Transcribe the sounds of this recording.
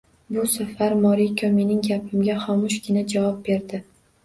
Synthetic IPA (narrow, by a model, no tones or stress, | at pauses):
bʊsafaɾmɒɾikʲʰɒme̞nɪŋɡʲapʰɪmɡʲaχɒmʊʃɡʲɪnad͡ʒavɒp̚be̞ɾd̪ɪ